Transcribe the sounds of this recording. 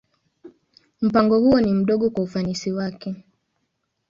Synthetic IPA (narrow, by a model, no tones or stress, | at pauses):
m̩paŋɡɔhuɔnim̩ɗɔɠɔkwaufanisiwakɛ